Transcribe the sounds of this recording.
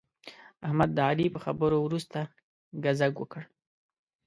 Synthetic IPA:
ahmad̪ːəalipəxabəɾowɾust̪a | ɡazaɡwəkəɽ

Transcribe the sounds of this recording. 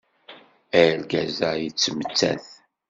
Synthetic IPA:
ælɡæzajət͡sːəmət͡sːæ̰θ

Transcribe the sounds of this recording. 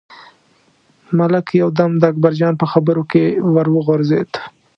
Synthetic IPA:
malakjawd̪amd̪əak̚baɾd͡ʒɑnpəxabəɾokewaɾwəɣʊɾzet̪

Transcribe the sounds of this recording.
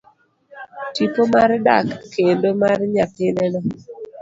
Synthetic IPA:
tipomarda̰kːendomarɲapɪnɛnɔ

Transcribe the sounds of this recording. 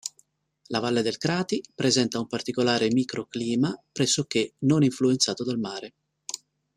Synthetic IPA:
lavalːed̪elkɾaːt̪ipɾezɛnt̪aumpart̪ikolaːɾemiːkɾʔokliːmapɾɛsːok̟enoniɱfluent̪saːt̪od̪almaːɾe

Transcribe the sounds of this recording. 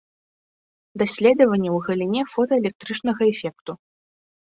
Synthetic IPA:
d̪asʲlʲɛd̪ɐvɐnʲːɛwɣɐlʲinʲɛfɔt̪ɐɛlʲɛk̚t̪ɾɨt͡ʂnɐɣɐɛfʲɛk̚t̪u

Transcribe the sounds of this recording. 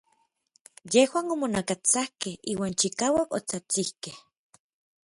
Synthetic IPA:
jehwaːnomonakat͡sahkehiːwaːnt͡ʃikaːwakot͡sat͡sihkeh

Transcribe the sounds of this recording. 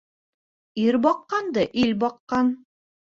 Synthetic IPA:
iɾbɑqːɑnd̪ɤʔilbɑqːɑn

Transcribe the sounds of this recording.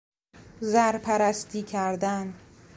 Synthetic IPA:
zæɾpʰæɾæst̪ʰiːcʰæɾd̪æn

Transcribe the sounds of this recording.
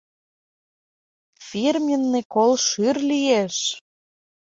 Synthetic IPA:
firmʲjə̆nːekolʃyrlijeʃ

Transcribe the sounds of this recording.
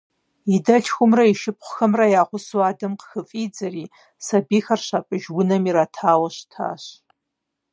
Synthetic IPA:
idɐɬxʷʊmrɐiʃɪp̚χʷʊxɐmrɐjaːχʷʊswaːdɐmqxɨfʼiːd͡zɐriː | sɐbiːxɐrɕaːpʼɨʒwʊnɐmiɾaːtʰaːwɐɕtʰa̰ːɕ

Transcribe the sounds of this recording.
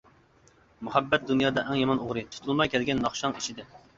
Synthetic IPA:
muhɛbːɛt̪̚d̪unjɑːd̪ɑʔɛŋjɑmɑnoʁɾɨt̪ʰu̥t̪ʰulˠmɑjkʲʰɛlɡʲɛnːɑχʃɑŋiʃid̪ɪ

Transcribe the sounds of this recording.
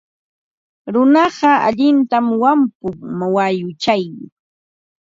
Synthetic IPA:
ɾʊnɑɢɑa̰ʎɪnt̪amwampʊŋmawajʊt͡ʃaj

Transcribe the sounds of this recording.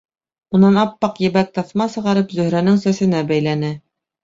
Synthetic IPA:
unɑnɑpːɑqjɘ̆βæk̚t̪ɑθmɑsɤ̆ʁɑɾɤpzɵ̆hɾænɘŋsæsɘ̆næbæjlænɘ

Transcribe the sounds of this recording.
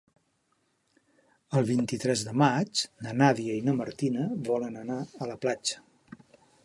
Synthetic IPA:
əlˠβ̞int̪it̪ɾɛzðəmat͡ʃnənaðiəinəməɾt̪inəβɔlənənaələplad͡ʒə̥

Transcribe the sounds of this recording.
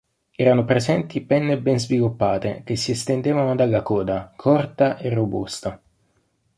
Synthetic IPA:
ɛːɾanopɾezɛnt̪ipɛnːebɛnzvilupːaːt̪ḛk̟esːiest̪end̪eːvanod̪alːakɔːd̪akʰɔrt̪aʔerːobṵst̪a

